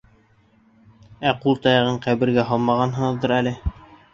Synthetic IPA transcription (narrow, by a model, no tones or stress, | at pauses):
æqulˠt̪ɑjɑʁɤɴqæβɘ̆ɾɡæɦɑlˠmɑʁɑnɦɤ̆ɴɤ̆ðd̪ɤɾælɘ